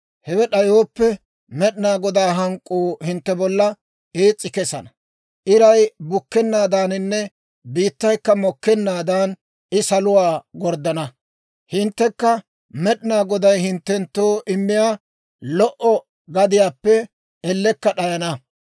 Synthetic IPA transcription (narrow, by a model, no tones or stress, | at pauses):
hɛwɛɗɐjoːpːɛ | mɛɗɪnaːɡɔd̪aːɦɐŋkʼːuːhɪnt̪ːɛbɔlːɐ | eːt͡sʼːɪkɛsɐ̰nɐ | ʔɪɾɐjbʊkːɛnːaːd̪aːnɪnːɛ | biːt̪ːɐjkːɐmɔkːɛnːaːd̪aːn | ʔɪsɐlʊwaːɡɔɾd̪ɐnɐ | hɪnt̪ːɛkːɐ | mɛɗɪnaːɡɔd̪ɐjhɪnt̪ːɛnt̪ːoːʔɪmːɪjaː | lɔʔɔ | ɡɐd̪ɪjaːpːɛ | ɛlːɛkːɐɗɐjɐnɐ